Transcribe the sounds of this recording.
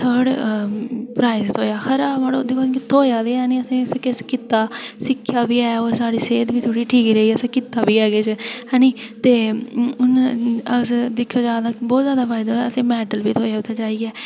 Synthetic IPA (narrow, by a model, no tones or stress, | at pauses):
səːɽ | pɾaːɪst̪ʰoːjaːxʰəɾaːbaɽod̪ekʰõːt̪ʰoːjaːd̪eːɛːnĩːəsẽːsẽkɪskɪt̪ːaːsɪkʰːjaːbiːɛːɔːɾsaːɽiːseːd̪ʋiːt̪ʰoːɽiːʈʰiːkːɾəɦiːɛːəsẽːkɪt̪ːaːbiːɛːɡeːt͡ʃɦɛːnĩːt̪eːʊnəsd̪ɪkʰːaːd͡ʒaːd̪aːbɔːt̪zjaːd̪aːpʰaːɪd̪aːəsẽːmɛːʈəlbiːt̪ʰoːjaːʊt̪ʰːaːd͡ʒaːiːɡɛː